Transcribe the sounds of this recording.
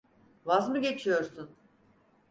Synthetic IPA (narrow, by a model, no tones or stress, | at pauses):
vazmɯɟe̞t͡ʃʰijo̞ɾsun